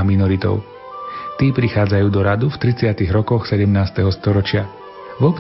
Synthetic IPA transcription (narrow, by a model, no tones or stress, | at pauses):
minɔɾit̪ɔ̰ʊ | t̪iːpɾixaːd͡zajuːd̪ɔɾad̪uft̪ɾit͡sɪat̪iɣɾɔkɔxsɛɟɛmnaːst̪ɛɦɔst̪ɔɾɔt͡ʃɪa | vɔp